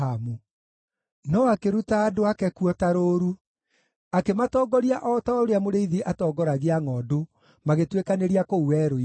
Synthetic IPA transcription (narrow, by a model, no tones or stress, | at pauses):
amu | nɔwakeɾutaːdoakɛkuɔtaɾoːɾu | akematɔːɡɔɾiaʔɔtaoɾeamoɾeiðiʔatɔːɡɔɾaɣeaŋɔːdo | maɣetwekaneɾiakouwɛɾoi